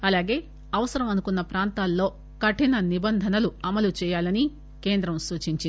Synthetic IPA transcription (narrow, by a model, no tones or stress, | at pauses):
ɐlaːɡe̞ː | ɐʋɐsɐɾɐmɐnukunːɐpɾaːnt̪aːlːo̞ː | kɐʈinɐnibɐnd̪ʱɐnɐluɐmɐlut͡ʃɛːjaːlɐni | ke̞ːnd̪ɾɐmsuːt͡ʃiɲt͡ʃi